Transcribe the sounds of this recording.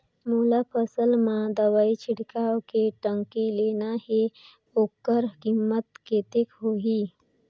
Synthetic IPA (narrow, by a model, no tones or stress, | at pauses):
mulapʰəsəlmãd̪əʋait͡ʃʰiɽkawkeʈəŋkilenahe | okːəɾkimːət̪ket̪ekɦoɦi